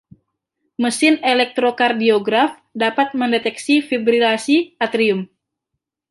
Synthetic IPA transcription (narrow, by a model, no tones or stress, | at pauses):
məsɪnelɛk̚t̪ɾokardioɡɾaf | dapat̪̚məndɛt̪ɛksifibɾilasiat̪ɾiʊm